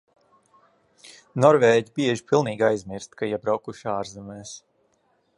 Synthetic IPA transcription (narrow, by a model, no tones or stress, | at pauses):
nɔɾveːɟibiɛʒipilˠniːɡajzmiɾst̪kʰajɛbɾawkuʃaːɾzɛmɛːs